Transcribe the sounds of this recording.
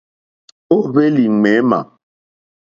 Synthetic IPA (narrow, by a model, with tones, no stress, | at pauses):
o˦be˦li˨ŋ͡mɛ˨˦ma̰˨